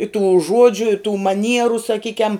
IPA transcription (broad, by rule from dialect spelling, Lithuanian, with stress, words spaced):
ɪ tuː ˈʒuɔd͡ʒʲʊ ɪ tuː mɐˈnʲiɛrʊ sɐˈkʲiːkʲɛm